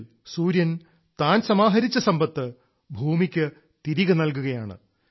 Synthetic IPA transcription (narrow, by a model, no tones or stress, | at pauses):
suːɾjɐn | t̪aːnsɐmaːɦɐɾit͡ɕːɐsɐmbɐt̪ːɨ | bʱuːmikʲːɨ | t̪iɾiɣɐnɐlk̬uɣɐjaːɳɨ̰